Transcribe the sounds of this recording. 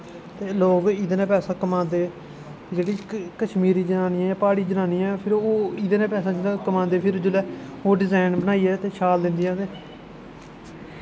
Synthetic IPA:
t̪eːloːɡɪd̪nãːpɛːsaːkəmãːnd̪eː | d͡ʒeːɽiːkəʃmiːɾiːd͡ʒənaːniːãːãːpaːɽiːd͡ʒənãːniːɛːpʰɪɾoːɪd̪nẽːpɛːsãːd͡ʒɪnãkəmãːnd̪eːpʰɪɾd͡ʒʊlɛːoːɖɪzaːɪnbənaːiːɛːt̪eːt͡ʃʰaːld̪ɪ̃nd̪ɪjãːt̪eː

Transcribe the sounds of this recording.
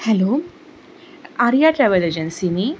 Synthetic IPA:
hɛloː | aɾijaʈɾeʋɐled͡ʒɐnsini

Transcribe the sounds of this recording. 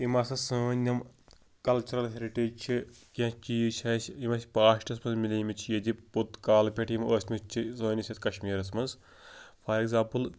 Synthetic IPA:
imɐsɐsoːnʲɐm | kɐlt͡ʃʰɐɾɐlɦeɾiʈeːt͡ʃʰikʲãːt͡ʃiːʃʲɐsʲimɐsʲpaːʃʈʲɐs̬mɐnzmilʲɐjmit͡ʃʰijɐd̪iput̪kaːlpʲeʈjimoːsʲmɐst͡ʃʰisoːnʲɐsʲɐt̪kɐʃmiːɾɐs̬mɐnz | pʰɐːɾeɡzaːmpɨl

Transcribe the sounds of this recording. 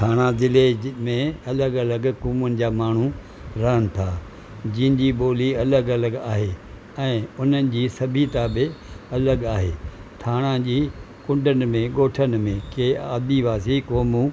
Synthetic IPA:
t̪ʰaːɽ̃ãzɪlemẽɐləɡɐləɡkuːmʊnɪ̆d͡ʑaːmaːɳ̤u | ɾɐɦənɪ̆t̪ʰaː | d͡ʑɪ̃ɦɪ̃ɲd͡ʑiːɓoːliɐləɡɐləɡaːɦeː | ɛ̃ːʊn̤ənɪ̆d͡ʑiːsɐbʱit̪aːbeɐləɡaːɦeːt̪ʰaːɽ̃ãd͡ʑiː | kʊ̃ɳɖənɪ̆mẽɡoːʈʰənɪ̆mẽkeaːd̪iʋaːsikoːmu

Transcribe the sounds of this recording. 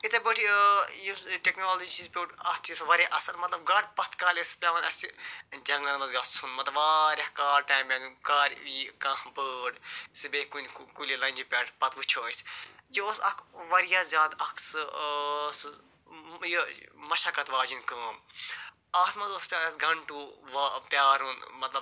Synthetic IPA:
it̪ebʲəːʈʰijuʈeknoːlod͡ʒit͡ʃizpʲoːʈɐt̪usʋɐɾʲaʔɐsɐɾmɐt̪lɐb̚ɡaʈpɐt̪kaːlespʲaːʋɐnɐsid͡ʒɐŋnɐnmɐzɡɐssʰunmɐt̪lɐʋaːɾʲɐhkaːɾʈaːmʲɐnkaːɾʲkãːhbəːɖsibeːkunkulʲilɐnʲd͡ʒipʲaːʈpɐt̪ʋut͡ʃʰoːisjioːsɐkʰʋɐɾijaːzʲaːd̪ɐkʰsɨ | s | jimɐʃakɐt̪ʋaːd͡ʒinkaːm | aːt̪mɐt̪ospʲjaːɾɐsɡɐɳʈuʋapʲjaːɾɦunmɐt̪lɐb

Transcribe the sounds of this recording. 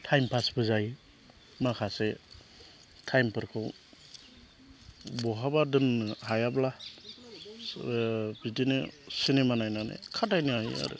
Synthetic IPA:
tʰajmpʰasbɯzaj | makʰase | tʰajmpʰɯɾkʰɯw | bɔɦabadɯnɦajabla | bidinesinemanajnanḛkʰatajnɯaja̰ɾɯ̰

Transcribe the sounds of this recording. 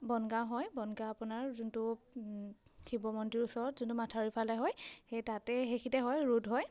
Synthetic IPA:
bɔnɡaɦɔjbɔnɡaːpʊnaɹzuntʊ | kʰibɔmɔntiɹusɔɹɔtzuntʊmatʰaɹipʰalɛɦɔjxejtatɛxexʰitɛɦɔjɹudɦɔj

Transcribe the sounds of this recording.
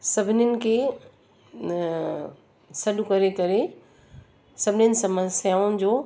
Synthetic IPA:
sɐbʱɪnɪnɪ̆kʰe | sɐɗʊkɐɾekɐɾe | sɐbʱɪnɪnɪ̆sɐmə̃sjaːʊnɪ̆d͡ʑoː

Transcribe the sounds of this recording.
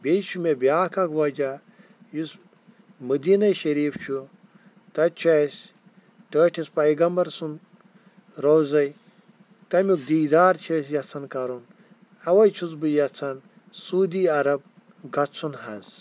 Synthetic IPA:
bʲejt͡ʃʰumʲebjaːkʰakwɐd͡ʒa | jus | mɨd̪iːnɐjʃɐɾiːft͡ʃʰu | t̪ɐt͡ʃʰasʲ | ʈəːʈʰʲispɐjɡɐmbɐɾsun | ɾowzɐj | t̪ɐmʲuk̚d̪iːd̪aːɾt͡ʃʰɐs̬jɐt͡sʰɐnkɐɾun | ɐwɐjt͡ʃʰuzbɨjɐt͡sʰɐn | suːd̪iːɐɾɐb̚ | ɡɐt͡sʰunhɐnz

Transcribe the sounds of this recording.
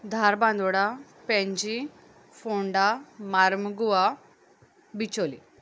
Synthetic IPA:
d̪ʱaɾband̪uɽa | peɲd͡ʒi | fuɳɖamaɾmɡuʋa | bit͡ʃolḭ

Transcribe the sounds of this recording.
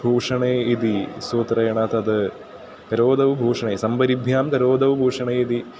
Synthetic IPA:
bʱuːʂɐɳeːid̪isuːt̪rɐjɐɳaːt̪ɐd̪ɨ | kɐɾoːd̪ɐʋɨbʱuːʂɐɳeːsɐmbɐɾibʱjaːmkɐɾoːd̪ɐʋɨbʱuːʂɐɳeːid̪i

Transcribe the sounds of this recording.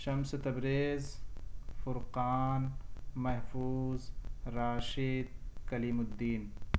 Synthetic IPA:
ʃɐmset̪ɐbɾeːz | fʊɾqaːnmɐɦfuːzɾaːʃiːd̪̚kɐliːmʊd̪ːiːn

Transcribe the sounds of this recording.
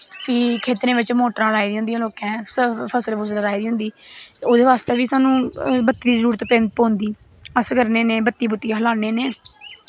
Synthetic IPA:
pʰiːkʰeːt̪ɾẽːbɪt͡ʃmoːʈɾãːlaːiːd̪iːɦʊ̃nd̪ijãːloːkɛ̃ːsəpʰəsəlbʊsləɾaːiːd̪iːɦʊ̃nd̪iː | oːd̪eːʋaːst̪eːʋiːsaːnũːbət̪ːiːd̪iːzəɾuːɾt̪ːpẽːnt̪̚poːnd̪iː | əskəɾneːneːbət̪ːiːbʊt̪ːijãːɦəlaːneːneː

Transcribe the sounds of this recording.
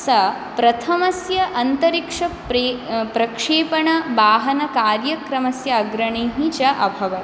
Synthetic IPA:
sɐ | pɾɐt̪ʰɐmɐsjɐʔɐnt̪ɐɾikʂɐ | epɾɐkʂeːpɐɳɐbaːɦɐnɐkaːɾjɐkɾɐmɐsjɐːɡɾɐɳeːɦit͡ʃɐʔɐbʱɐʋɐ

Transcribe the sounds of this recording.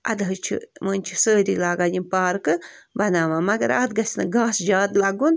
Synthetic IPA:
ʔɐ̰d̪ɦɨt͡ʃʰḭmənʲt͡ʃʰisəːɾʲḭːlaːɡadʲimpaːɾkɨbɐnaːʋaːmɐɡɐɾaːt̪̚ɡɐsnɨɡaːsd͡ʒaːd̪laɡun

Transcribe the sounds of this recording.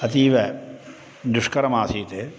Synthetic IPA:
ɐt̪iːʋɐ | d̪uʂkɐɾɐmaːsiːt̪e

